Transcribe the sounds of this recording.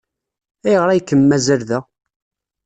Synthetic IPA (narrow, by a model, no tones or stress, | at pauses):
æjʁɾˤæjkːəmːæzəɾðæ